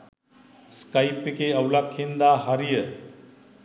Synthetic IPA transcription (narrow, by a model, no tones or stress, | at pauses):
skajpekeəwlakʰːind̪aɦɐɾijə